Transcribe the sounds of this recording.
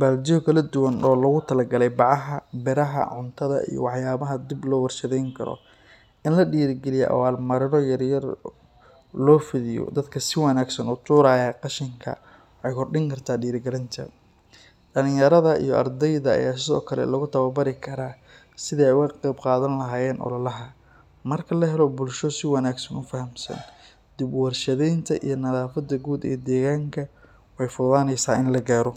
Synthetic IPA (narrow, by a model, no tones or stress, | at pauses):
baːld͡ʒɪkʰɐlɐd̪ʊwɐnɔːlɐɣʊt̪ʰɐlɐɡɐlɛjbɑʕɑɦɐbɛɾɐɦɐ̰ʕʊnt̪ʰɐðɐ̰ʔḭjɔ̰wɑħjaːβɐɦɐd̪iblɔːwɑrʃɐðɛjŋkʰɐɾɔ̰ | ɪnlɐɗiːɾɪɡɛlɪjɛ̰ʔɐ̰waːlmɐɾɪnɔjɐrjɐr | lɔːfɪðɪjɔ̰d̪ɐd̪kʰɐsɪwɑnaːɡsɐnuːt̪ʰuːɾaːjaːqɑʃɪŋkʰɐ̰ | wɑħɑjkʰɔrɖɪŋkʰɐrt̪ʰaːɖiːɾɪɡɐɾɪnt̪ʰɐ̰ | ɖɐlɪŋjɐɾɐðɐḭjɔ̰ʔɐ̰rd̪ɛjðɐa̰jaːs̬ɪðɔ̰ːkʰɐlɛ̰lɐɣʊt̪ʰɐβɐbɐɾɪkʰɐɾaː | sɪðɐɛjʊwɐqɛjbqɑːðɐnlɐɦaːjɛːnʔɔ̰lɐlɐɦɐ | mɐrkʰɐlɐɦɛlɔbʊlʃɔsɪwɑnaːɡsɐnʊfɐhɐmsɐ̰n | d̪̥ɪbwɑrʃɐðɛjnt̪ʰɐʔḭjɞnɐðaːfɐd̪ɐɡuːd̪ɛ̰ːd̪ɛːɣaːŋkʰɐ | wɛjfʊðaːnɛjsaːɪnlɐɡaːɾɔ